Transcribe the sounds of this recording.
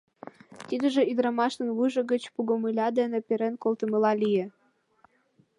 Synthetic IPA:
t̪id̪ə̆ʒĕid̪ɾɑmɑʃt̪ə̆nβuʒə̆ɡə̆t͡ɕpuɡŏmɯlʲɑd̪enĕpʲeɾenkolt̪ə̆mɤ̆lɑlijĕ

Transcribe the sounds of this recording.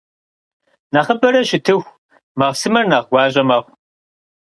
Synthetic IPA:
naχəbɐɾɐɕɪtʰɨxʷ | mɐʁsɨmɐrnaʁɡʷɑːɕʼɐmɐːχʷ

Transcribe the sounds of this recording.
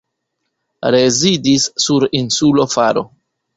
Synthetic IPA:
ɾe̞zidisːuɾinsulo̞faɾo̰

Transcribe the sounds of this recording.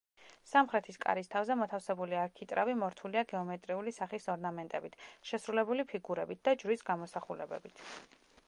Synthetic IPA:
samχɾɛt̪ʰiskʼa̰ɾist̪ʰavzɛmɔt̪ʰafsɛbuliaɾkʰit̪ʼɾavimɔɾt̪ʰuliaɡɛɔmɛt̪ʼɾiulisaχisɔɾnamɛnt̪ʼɛbit̪ʰʃɛsɾulɛbulipʰiɡuɾɛbit̪̚ʰd̪̥ad͡ʒɾwisɡamɔsaχulɛbɛ̰bit̪ʰ

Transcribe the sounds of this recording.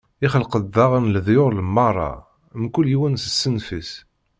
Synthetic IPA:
ɪχəlqəd̪ːɑʁənləðjʊɾləmːɑrˤːɑ̰ | mkuljiwænsə̥sːənfis

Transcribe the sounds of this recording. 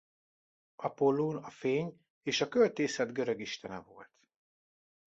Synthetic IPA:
ɒpolːoːnɒfeːɲ | eːʃɒkølt̪eːsɛd̪ɡøɾøɡiʃt̪ɛnɛ̰vo̰lt̪

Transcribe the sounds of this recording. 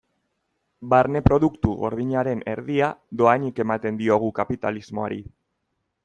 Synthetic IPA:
baɾne̞pɾo̞ðukt̪uɣo̞̰ɾðiɲaɾe̞ne̞̰ɾðiaðo̞aɲike̞mat̪e̞nd̪io̞ɣ̞ukapit̪a̰lizmo̞a̰ɾḭ

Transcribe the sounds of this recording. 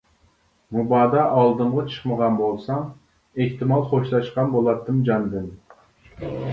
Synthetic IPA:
mubɑːd̪ɑʔɑlˠd̪ɨmʁɑt͡ʃʰɨ̥χməʁɑnbolˠsɑm | eht̪ɪmɑlˠχoʃlˠɑʃqɑnbolˠɑt̪ʰːɨmd͡ʒɑnd̪ɨn

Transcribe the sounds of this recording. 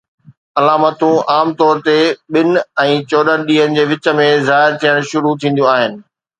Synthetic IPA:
ɐlaːmət̪ũʔaːmt̪ɔːɾt̪eɓɪnɛ̃ːt͡ɕɔːɗəɾɗiːənɪ̆d͡ʑeːʋɪt͡ɕə̆mẽzaːɦɪɾt̪ʰijəɽ̃ʃʊɾut̪ʰĩːnd̪ũaːɦɪnɪ̆

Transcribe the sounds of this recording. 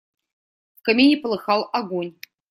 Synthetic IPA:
kɐmʲinʲipəlˠɨxɑlˠaɡonʲ

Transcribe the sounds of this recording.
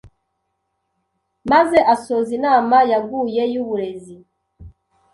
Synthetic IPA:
maze̞ʔaso̞zinaːmajaɡuːje̞juβuɾe̞zi

